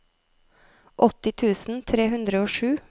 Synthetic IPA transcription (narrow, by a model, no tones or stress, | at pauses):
ʔɔt̪ɪt̪ʰʉːsn̩t̪ʰɾeːhʉnd̪ɾəoːʃʉː